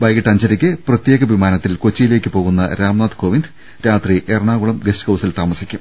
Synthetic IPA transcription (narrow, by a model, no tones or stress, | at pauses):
bɐjɣiʈːɐɲd͡ʑɐɾikʲːɨprɐt̪je̞ːɣɐʋimaːnɐt̪ːilkot͡ɕːijile̞ːkʲːɨpo̞ːɣunːɐ̰ɾaːmnaːt̪koʋind̪ | ɾaːt̪riʔerɳaːɣuɭɐmɡesʈkɐwsilt̪aːmɐsikʲːum